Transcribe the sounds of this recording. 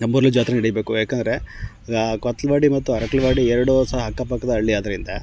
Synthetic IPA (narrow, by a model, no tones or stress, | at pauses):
ɐmbuɾɐlud͡ʒaːt̪ɾɐnɐɽijbeːkujaːkend̪ɐɾe̞ | kot̪ːɐlɐʋaːɽimɐt̪ːuɐɾɐklɐʋaːɽiɛɾɐɽosɐɦɐɦɐkːapɐkːɐd̪ɐːɭːiaːd̪ɐɾind̪ɐ